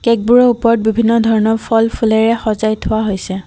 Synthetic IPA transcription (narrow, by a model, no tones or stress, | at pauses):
kɛk̚buɹɔupɔɹɔt̚bibʱinːɔdʱɔɹɔnɔpʰɔlpʰulɛɹɛxɔzajtʰʊwaɦojsɛ